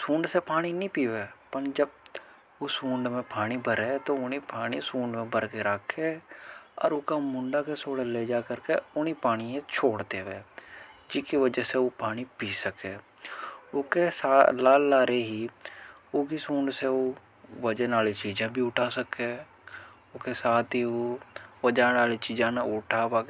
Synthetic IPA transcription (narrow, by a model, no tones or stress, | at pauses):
sũːɳɖsepaːɽ̃inĩpiːʋeːpənd͡ʒəb̚ | osũːɳɖmẽpaːɽ̃ibʱəɾet̪oʊnipaːñisũːɳɖmẽbəɾkeɾakʰːeːɔ̰ːɾʊkamʊ̃ɳɖakesoːɽleːd͡ʒaːkəɾkeʊnipaːɽ̃iẽt͡ʃʰoːɽd̪eːʋeːd͡ʒɪkiʋəd͡ʒəseoːpaːɽ̃ipiːsəkeː | ʊkesaːlaːlːaːɾeɦiː | oːkisuːɳseo | ʋəd͡ʒənaːlit͡ʃiːd͡ʒãbʱiʊʈʰaːsəke | ʊkesaːt̪ioʋəd͡ʒaːnaːlit͡ʃiːd͡ʒãːnaʊʈʰabaː